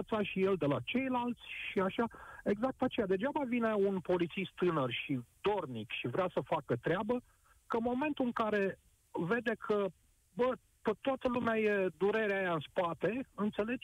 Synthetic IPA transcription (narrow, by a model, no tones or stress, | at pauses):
ət̪saʃije̞ld̪e̞lat͡ʃe̞jlalt̪sʲʃiaʃae̞ɡzak̚t̪at͡ʃe̞jad̪e̞d͡ʒabavine̞unpo̞lit̪sist̪ːɨnərʃid̪̥o̞rnikʃivɾeasəfakət̪ɾeabə | kənmo̞me̞nt̪uɨŋkaɾe̞ | ve̞d̪e̞kʰə | bə | kət̪oat̪əlumeaje̞d̪uɾe̞ɾeajaɨnspat̪e̞ɨnt̪se̞le̞d͡ʒ